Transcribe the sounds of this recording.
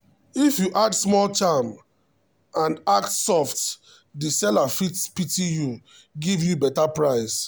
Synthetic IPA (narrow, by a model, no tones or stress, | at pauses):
ifjuʔadsmɔlt͡ʃãm | ãnak̚tsɔft | disɛlafitspitiju | ɡivjubɛtapɹaɪs